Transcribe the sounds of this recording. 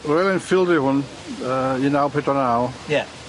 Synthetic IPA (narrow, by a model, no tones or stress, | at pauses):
rɛlˠɛnfɪlˠdihʊn | əinawpʰedɔnawjɛ